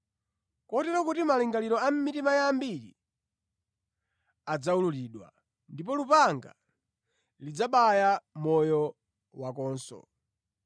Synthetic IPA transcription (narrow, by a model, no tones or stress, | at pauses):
kɔtɛɾakutimaliŋɡaliɾɔam̩mitimajambiɾḭ | ad͡zaululiːɗwa̰ | ndip̬ɔlupaŋɡa̰ | lid͡zaɓajamɔjɔ | wakɔːnsɔ̰